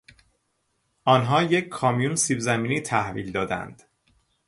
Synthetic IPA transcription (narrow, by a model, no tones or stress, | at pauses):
ɒːnɦɒːjecʰkʰːɒːmijunsibzæmiːniːt̪ʰæhvḭːld̪ɒːd̪æ̰nd̪̥